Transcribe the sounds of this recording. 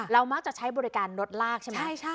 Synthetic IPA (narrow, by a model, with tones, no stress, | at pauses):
ɾa˧wmaː˦˥˩k̚t͡ɕa˨˩t͡ɕʰa˦˥jbɔː˧ɾi˦˥kaː˧nɾo˦˥t̪̚laː˥˩k̚t͡ɕʰe˥˩ma˦˥˩jt͡ɕʰa˥